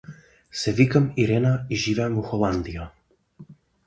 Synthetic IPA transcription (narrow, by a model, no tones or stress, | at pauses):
sɛvikamiɾɛnaiʒivɛːmuxolˠand̪ija